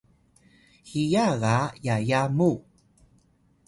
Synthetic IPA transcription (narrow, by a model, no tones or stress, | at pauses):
hijaɣajajamu